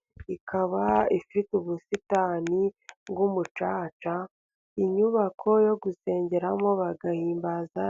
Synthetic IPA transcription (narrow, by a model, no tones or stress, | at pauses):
ikʰaβaifituβusitaːniβɡumut͡ʃaːt͡ʃa | iɲuβakʰo̞jo̞ɡuse̞ːɲɟe̞ɾamo̞βaɡahiːmbaza